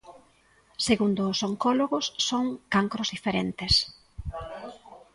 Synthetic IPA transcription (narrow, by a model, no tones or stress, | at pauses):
seɣund̪ʊːsoŋkɔloɣʊsːoŋkaŋkɾozðifeɾent̪ɪs